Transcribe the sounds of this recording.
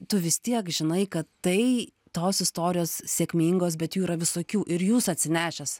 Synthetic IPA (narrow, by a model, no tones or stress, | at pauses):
t̪ʊʋʲɪst̪ʲiɛkʒʲɪnɐɪkɐt̪tɐɪ | t̪oːsɪst̪oːɾʲɪjoːssʲeɛkʲmʲiːŋɡoːsbʲɛt̪juːiɾɐʋʲɪsoːkʲuːʔɪɾjuːsɐtʲsʲɪnʲæːʃʲɛs